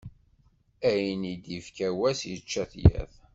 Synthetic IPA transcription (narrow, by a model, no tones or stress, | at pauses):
æjənid̪ifkæwæsjət͡ʃːæθjæ̰ð